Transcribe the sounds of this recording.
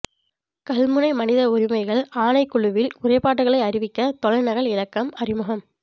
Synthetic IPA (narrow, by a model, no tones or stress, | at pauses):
kɐlmɯnɐɪmɐnɪðɐʊɾɪmɐɪɣɐɭaːnɐɪkːʊɭɯʋɪlʊrɐɪpaːʈːɯɣɐɭɐɪɐɾɪʋɪkːɐt̪ɔlɐɪnɐɣɐɭɪlɐkːɐmɐɾɪmʊɣɐm